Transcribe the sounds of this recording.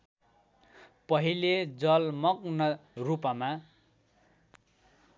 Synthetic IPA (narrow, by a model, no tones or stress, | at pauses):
pʌɦiled͡zʌlmʌknʌrupʌma